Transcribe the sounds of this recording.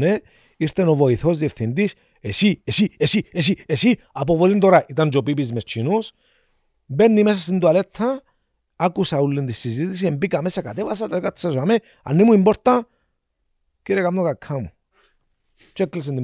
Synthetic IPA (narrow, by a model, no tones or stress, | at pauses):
ne | iɾt̪enoʋoiθozðjefθind̪is | esiesiesiesiesi | ap̬oʋolind̪oɾaʔit̪and͡ʒopip̬izmest͡ʃʰinus | benːimes̬asind̪ualet̪ʰːa | akusaulːind̪isːizit̪is̬iembikamesakat̪eʋas̬at̪ekat̪sasame | a̰nːimuimboɾt̪a | kiɾekamnokakʰːamu | t͡ʃekːles̬ind̪i